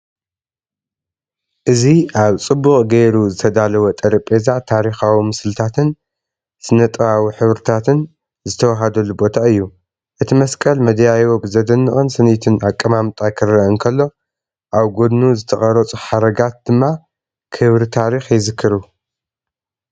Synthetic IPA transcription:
ʔɨziʔaβt͡sʼɨbːukʼɡejɾuzɨt̪ʰɐd̪alɐwot̪ʼɐɾɐpʼezat̪ʰaɾixawimɨsɨlɨt̪ʰat̪ʰɨn | sɨnɐt̪ʼɨβawiħɨβɾɨt̪ʰat̪ʰɨn | zɨt̪ʰɐwaɦad̪ɐlːubo̞t̪ʰaɨjːu | ʔɨt̪ʰimɐskʼɐlmɐd̪jajobɨzɐd̪ɐnːɨχʼɨnsɨnit̪ʰɨnakʼːɐmamt̪ʼakʰɨrːɐɨnkʰɐlːo̞ | ʔaβɡo̞d̪nuzɨt̪ʰɐχʼɐɾɐt͡sʼuħaɾɐɡat̪̚d̪̥ɨmːa | kʰɨβɾɨt̪ʰaɾixjɪzɨkʰːɨɾu

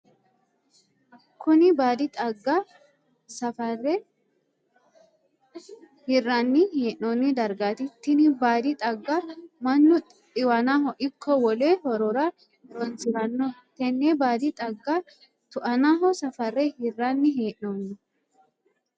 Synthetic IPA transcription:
ʔɐkʰːʊnɪbaːd̪ɪt̪ʼɐɡːa | sɐfɐrːɛ | hɪrːɐnːɪheːʔnonːɪd̪ɐɾɡaːt̪ɪt̪ːɪnɪbaːd̪ɪt̪ʼɐɡːamɐnːʊ | ɪwɐnaːhɔʔɪkʰːɔwɔleːhɔɾɔɾɐ | ɾɔnsɪɾɐnːɔt̪ɛnːeːbaːd̪ɪt̪ʼɐɡːa | t̪ʊʔɐnaːɦɔsɐfɐrːɛhɪrːɐnːɪɦeːʔnoːnːɔ

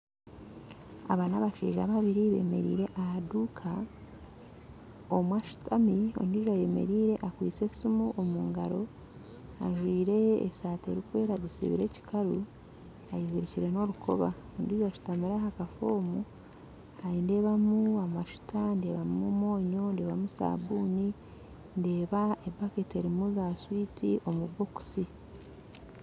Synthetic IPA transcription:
a̰βanaβaʃḭːʒa̰ːβaβiɾiβe̞̰me̞̰ɾḭːɾe̞ʔahadukʰa | omwaʃu̥tʰamio̞̰ndiʒaje̞me̞̰ɾiːɾe̞ʔakwḭːt͡se̞simuʔomuːŋɡa̰ɾo̞ | a̰ʒwiːɾe̞̰ːsaːte̞̰ɾikwe̞ːɾazisḭβḭɾe̞ci̥kʰaɾu | ajiziɾiciɾe̞no̞ɾukʰo̞̰βa | ondiːʒaʃu̥tamiɾahakafoːmu | aɾinde̞ːβamuamaʃu̥tʰande̞ːβamumo̞ːɲo̞nde̞ːβamusa̰ːβuːni | nde̞ːβaebakete̞ɾimuzaswitʰiʔo̞muβo̞ku̥si

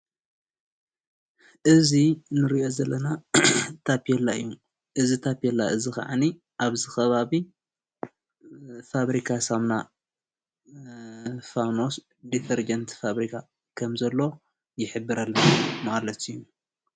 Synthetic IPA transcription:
ʔɨzinɨɾiʔo̞zɐlːɐnat̪ʰapijɛlːaɨ̰jːu | ʔɨzit̪ʰapjɛlːaɨzixɐ̰ʕa̰ni | ʔaβzɨxɐβaβi | faβɾikʰasamna | fano̞s | d̪it̪ʰɐɾd͡ʒɐnt̪faβɾikʰa | kʰɐmzɐlːo̞ | jɪħɨbːɨɾalːɐnmalɐt̪ijːu

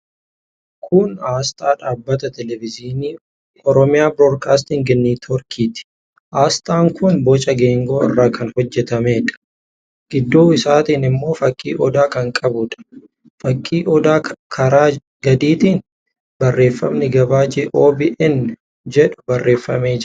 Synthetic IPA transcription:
kʰʊnaːst̪ʼaːᶑaːbːɐt̪ɐt̪ɛlɛvɪziːniː | ɔɾɔmɪjaːbɾoːdkaːst̪ɪŋɡɪnːiːt̪ʰɔɾkʰiːt̪ɪ̥ | ʔaːst̪ʼaːŋkʊnbɔt͡ʃʼɐɡeːŋɡo̞ːɪ̰rːaːkʰɐnhɔd͡ʒːɛt̪ɐme̞ːᶑɐ̥ | ɡ̥ɪd̪ːoːɪsaːt̪iːnɪmːo̞ːfɐkʼːḭːʔɔd̪aːkɐŋkʼɐbʊᶑɐ̥ | fɐkʼːiːʔɔd̪aːkʰɐɾaː | ɡɐd̪iːt̪iːn | bɐrːe̞ːfːɐmnɪɡɐbaːd͡ʒeːʔoːbiːʔɛn | d͡ʒɛᶑʊ̥bɐrːe̞ːfːɐme̞ːd͡ʒ

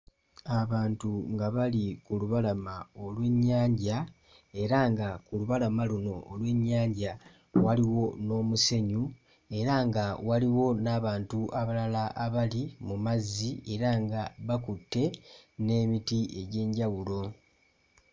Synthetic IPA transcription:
aβaːntuŋɡaβalikuluβalamaolwe̞ɲːaːɲɟa | e̞ɾaŋɡakuluβalamaluno̞ʔːlwe̞ɲːaːɲɟa | waliwo̞no̞ːmuse̞ɲu | e̞ɾaŋɡawaliwo̞naːβaːntuʔaβalalaʔːβalimumazːie̞ɾaŋɡaβakutːe̞ne̞ːmitie̞ɟe̞ːɲɟawulo̞

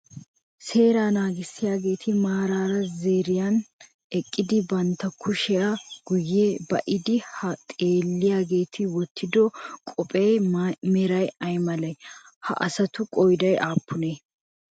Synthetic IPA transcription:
se̞ːɾaːnaːɡɪsːɪjaːɡe̞ːt̪ʰɪmaːɾaːɾɐzeːɾɪjɐn | ɛkʼːɪd̪ɪbɐnt̪ːɐkʰʊʃɛjɐɡ̥ʊjːebɐʔɪd̪ɪhɐt̪ʼe̞ːlːɪjaːɡe̞ːt̪ʰɪwɔt̪ʰːɪd̪ɔkʼɔpʼɛjmɛɾɐjɐjmɐlɐj | hɐ̰ʔɐsɐt̪ʊkʼɔjd̪ɐjʔaːpːʊneː

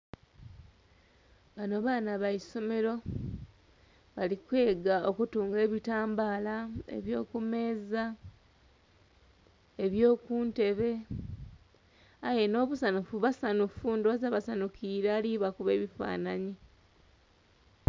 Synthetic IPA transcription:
βano̞βaːnaβaiso̞me̞ɾo̞ | βalikwe̞ːɡao̞kutuːŋɡe̞ːβitaːmbaːlaḛβjo̞ːkume̞ːza | eβjo̞ːkuːnte̞βe̞ | aje̞no̞ːβusanufuβasanufundozaβasanukʰiːɾaːliβakuβe̞ːβifa̰ːnaɲi

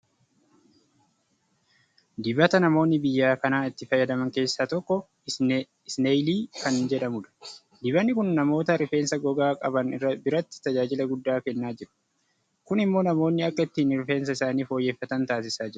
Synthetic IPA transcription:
d̪ɪbɐt̪ɐnɐmo̞ːnːɪbɪjːaːkɐnaːɪt̪ːɪfɐjːɐd̪ɐmɐŋke̞ːsːaːt̪ɔkːɔ | ɪsnejliːkɐnd͡ʒɛᶑɐmʊᶑɐ̥ | d̪ɪβɐnːɪkʊnːɐmo̞ːt̪ɐɾɪfe̞ːnsɐɡɔɡaːkʼɐbɐnɪrːɐbɪɾɐt̪ːɪ̥t̪ɐd͡ʒaːd͡ʒɪlɐɡʊd̪ːaːkɛnːaːd͡ʒɪɾʊ̥ | kʊnɪmːo̞ːnɐmo̞ːnːɪɐkːɐɪt̪ːiːnɾfe̞ːns̬ɐɪsaːniːfo̞ːjːe̞ːfːɐt̪ɐnt̪aːs̬ɪsaːd͡ʒɪɾɐ̥

